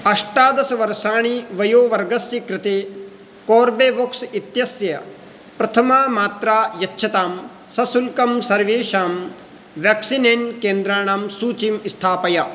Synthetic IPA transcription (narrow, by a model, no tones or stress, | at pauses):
ɐʂʈaːd̪ɐsɐʋɐɾʃaːɳ̃iʋɐjoːʋɐɾɡɐsjɐkɾɪt̪eː | koːɾbeːʋoksit̪jɐsjɐ | pɾɐt̪ʰɐmaːmaːt̪ɾaːjɐtːʃʰɐt̪aːm | sɐsulkɐmsɐɾʋeːʃaːm | ʋjaːksineːnkeːnd̪ɾaːɳ̃aːmsuːt͡ʃimist̪ʰaːpɐjɐ